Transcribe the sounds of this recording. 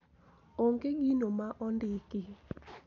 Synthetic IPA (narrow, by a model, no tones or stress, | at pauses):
oŋɡeɡinomaʔɔndɪkɪ